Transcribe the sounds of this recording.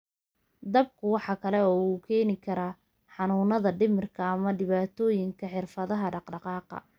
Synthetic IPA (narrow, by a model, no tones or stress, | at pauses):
d̪ɐb̚kʰʊwɑħɑkʰɐlɛɔːuːkʰɛːnɪkʰɐɾaː | ħɑnuːnɐðɐɖɪmɪrkʰɐːmɐɖɪβaːt̪ʰɔːjɪŋkʰɐħɪrfɐðɐɦɐɖɑqɖɑqɑːqɑ̰